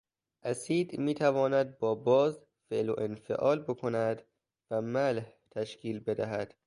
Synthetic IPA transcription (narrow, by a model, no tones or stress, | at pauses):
ʔæsiːd̪miːt̪ʰævɒːnæd̪̚bɒːbɒːz | feʔlo̰ʔenfḛʔɒːlbokʰo̞næd̪ | væmælht̪ʰæʃkʰiːlbe̞d̪æɦæd̪̥